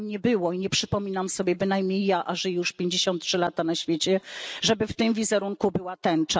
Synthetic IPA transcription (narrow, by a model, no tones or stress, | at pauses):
ɲɛbɘwɔiɲɛpʂɘpɔmʲinamsɔbʲjɛbɘnajmɲejːaʔaʐɛjuʂpʲjeɲd͡ʑeɕɔ̃nt̪̚tːʂɘlat̪anaɕfʲjet͡ɕɛʐɛbɘft̪ɘmvʲizɛɾuŋkubɘwat̪ɛnt͡ʂa